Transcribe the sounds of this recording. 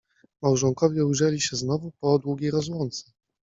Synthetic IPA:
mawʐɔŋkɔvʲjɛujʐɛlʲiɕɛznɔvupɔd̪wuɡʲejɾɔzwɔnt̪sɛ̥

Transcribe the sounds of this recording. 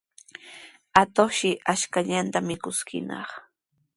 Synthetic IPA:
at̪oχʃɪʔaʃkaʎant̪amɪkʊskɪ̰nɑ̰χ

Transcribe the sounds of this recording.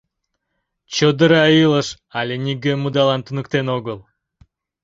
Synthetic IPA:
t͡ɕod̪əɾɑilˠəʃ | ɑlʲenʲiɡʲemud̪ɑlˠɑnt̪unək̚t̪enoɡəlˠ

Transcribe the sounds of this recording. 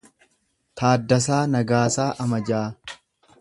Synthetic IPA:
t̪aːd̪ːɐs̬aːnɐɡaːsaːʔɐmɐd͡ʒaː

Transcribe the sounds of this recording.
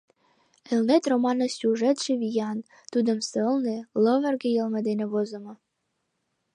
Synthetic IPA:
elnet̪romɑnɤ̆sʲuʒet̪ʃeβijɑn | t̪ud̪ə̆msəlnelɤ̆βə̆rɡĕjə̆lmɤ̆d̪enĕβozə̆mɤ

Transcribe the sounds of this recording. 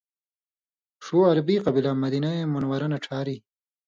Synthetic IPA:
ʂuɐɾbiqɐbilamɐd̪inaemʊnwɐɾɐnaʈ͡ʂʰaːɾi

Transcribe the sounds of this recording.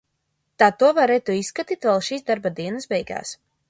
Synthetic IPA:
t̪aːt̪uɔvaɾɛt̪uisːkat̪iːt̪vɛlˠʃiːsd̪aɾbad̪iɛnɐsbɛjɡa̰ːs

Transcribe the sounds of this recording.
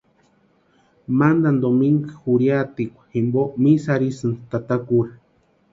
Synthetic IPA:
mand̪and̪omiŋɡaxuɾjat̪ikʷḁximbomisaɾisɨnt̪at̪akuɾa

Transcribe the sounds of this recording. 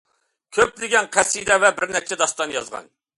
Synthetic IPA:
kʲʰøplɪɡʲɛnqʰæsːid̪ɛvɛbɪɾnɛk̚t͡ʃʰɛd̪ɑst̪ɑnjɑzʁɑ̰n

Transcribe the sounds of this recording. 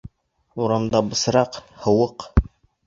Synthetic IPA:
uɾɑmd̪ɑbɤ̆sɾɑqhɤ̆wɤq

